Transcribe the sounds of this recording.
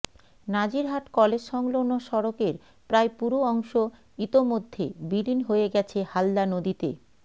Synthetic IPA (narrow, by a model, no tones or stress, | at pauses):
nad͡ʑiɾɦaʈkɔled͡ʑʃɔŋlonoʃɔɾokeɾ | pɾaepuɾoɔŋʃo | it̪omod̪ʱːebilinɦoeɡɛt͡ɕʰehalːanod̪it̪ḛ